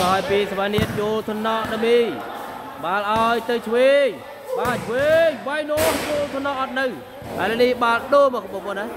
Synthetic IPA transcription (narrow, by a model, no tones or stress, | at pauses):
kaɔjpiːsaʋaniət̪̚t͡ɕoːlt̪ʰnɑʔɗamiː | ɓaːlʔaɔjt̪ɨwt͡ɕʰweːj | ɓaːt͡ɕʰweːjʋajnoːmt͡ɕoːlt̪ʰonɑʔɑt̪̚nɨw | ʔaələnihɓaːlɗoːmɔːkɓoːpoəna